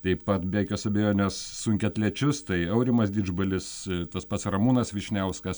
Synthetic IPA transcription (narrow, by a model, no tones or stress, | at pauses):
t̪ɐɪpɐt̪bʲæːkʲoːsɐbʲɛjoːnʲoːsːʊŋʲkʲɛt̪ʲlʲɛt͡ʃʲʊst̪ɐɪɐʊɾʲɪmɐsd̪ʲɪd͡ʒbɐlʲɪst̪ɐspɐt̪srɐmuːnɐsʋʲɪʃʲnʲɛʊskɐs